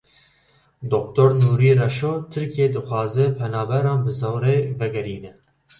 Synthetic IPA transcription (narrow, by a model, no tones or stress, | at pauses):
d̪ok̚t̪oːɾnuːɾiːrɛʃoːt̪ʰɨɾkeːd̪ɨxwɑːzɛpʰɛnɑːbɛɾɑːnbɨzowɾeːvɛɡɛɾiːnɛ